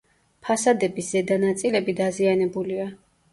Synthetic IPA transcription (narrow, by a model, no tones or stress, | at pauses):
pʰasad̪ɛbisz̥ɛd̪anat̪sʼilɛbid̪azianɛbulia